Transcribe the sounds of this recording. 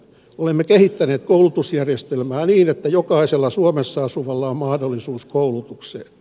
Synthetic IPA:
olemːekehit̪ːæneːt̪koulut̪usjærjest̪elmæːniːnet̪ːæjokɑiselːɑsuomesːɑɑsuʋɑlːɑommɑhdolːisuːskoulut̪uksḛːn

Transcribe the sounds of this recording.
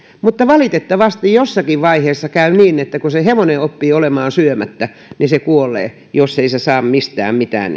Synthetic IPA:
mut̪ːɑʋɑlit̪et̪ːɑʋɑst̪ijjosːɑkiʋʋɑiheːsːɑkæyniːnet̪ːækuseheʋoneopːiːolemɑːnsyømæt̪ːæ | nisekuolˑḛː | josːeisesɑːmmist̪æ̰ːmmit̪æ̰ːn

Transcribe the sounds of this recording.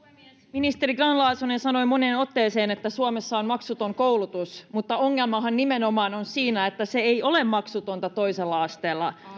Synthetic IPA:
eiesminist̪eɾiɡrɑnlɑːsunensɑno̞imoneːno̞t̪ːeːseːnet̪ːæsuomesːɑonmɑksut̪oŋkoulut̪usmut̪ːɑoŋːelmɑɦɑnːimenomɑːnonsiːnæet̪ːæseejo̞lemmɑksut̪ont̪ɑt̪o̞iselːɑɑst̪eːlːɑ

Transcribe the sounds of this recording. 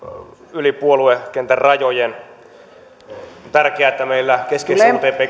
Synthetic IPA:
ylipuoluekent̪ærrɑjojen | t̪ærkeæːet̪ːæmeilːækesket̪eːpeː

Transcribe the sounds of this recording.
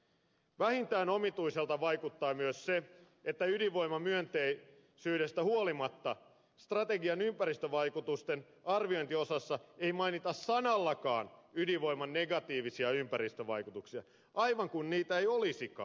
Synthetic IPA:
ʋæhint̪æːnomit̪uiselt̪ɑʋɑikut̪ːɑːmyøsse | et̪ːæydiʋo̞imɑmyønt̪ei | syːde̞st̪æhuolimɑt̪ːɑ | st̪rɑt̪eɡiɑnympæɾist̪øʋɑikut̪ust̪en | ɑrʋio̞int̪io̞sɑsːɑeijmɑinit̪ɑssɑnɑlːɑkɑːnydiʋo̞jmɑnːeɡɑt̪iːʋisiɑympæɾist̪øʋɑ̰ikut̪uksiɑ̰ | ʔɑiʋɑŋkunniːt̪æejolisikɑ̰ː

